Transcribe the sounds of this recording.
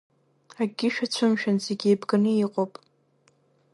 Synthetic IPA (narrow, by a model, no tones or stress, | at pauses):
aɡʲɪʃᶣat͡ɕʷʰʊmʃᶣanzeɡʲiebɡɨnɨiqʷʼopʼ